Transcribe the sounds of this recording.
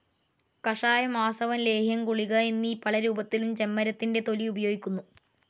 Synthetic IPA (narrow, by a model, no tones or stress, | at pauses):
kɐʂaːjɐmaːsɐʋɐnle̞ːɦjɐmkuɭiɣɐe̞nːiːpːɐɭɐɾuːbɐt̪ːilumt͡ɕe̞mːɐɾɐt̪ːinde̞t̪o̞liubɐjo̞ːɡikʲːunːu